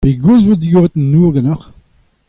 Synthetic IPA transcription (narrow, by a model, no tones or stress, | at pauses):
peɡuzvod̪iɡoʁet̪nuːʁɡɑnɔχ